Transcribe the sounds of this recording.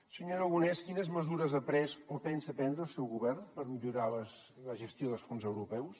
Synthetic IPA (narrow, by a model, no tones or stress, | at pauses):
səɲoɾəɣunɛskinəzməzuɾəzəpɾɛzopɛnsəpɛnd̪ɾəlˠsɛwɣuβɛrnpəɾmiʎuɾalə | ləʒəst̪joðəlˠsfonzəwɾupɛws